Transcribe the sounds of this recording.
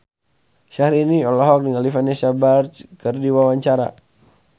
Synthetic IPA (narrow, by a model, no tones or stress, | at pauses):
ʃahɾiniɔlɔɦɔk̚dəŋalifanɛsabart͡ʃkərdiwawaɲt͡ʃaɾa̰